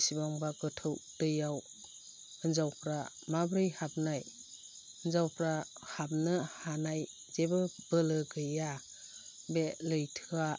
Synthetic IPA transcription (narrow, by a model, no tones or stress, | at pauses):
sibaŋbaɡɯtʰɯwd̥ɯjaw | ɯnzawpʰɾa | mabɾɯjhap̚naj | ənzawpʰɾahap̚nɯhanaj | zebɯbɯlɯɡɯja | belɯjtʰɯa